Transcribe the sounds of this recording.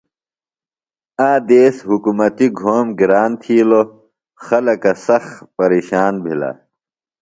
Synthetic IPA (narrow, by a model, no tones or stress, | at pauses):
aːd̪eːsɦukumɐt̪iɡʱoːmɡiɾaːnt̪ʰiːlo | xɐlɐkɐsɐxpɐɾeːɕaːnbʱila̰